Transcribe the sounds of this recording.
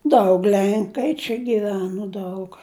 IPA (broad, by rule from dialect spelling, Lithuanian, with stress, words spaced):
ˈdɐʊk ˈlʲɛŋkɐɪ t͡ʃʲɛ ɡʲɪˈʋʲæːnoː ˈdɐʊk